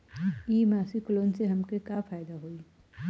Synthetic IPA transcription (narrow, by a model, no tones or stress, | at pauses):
iːmaːsikloːnseɦɐmkekafaːjd̪aɦoi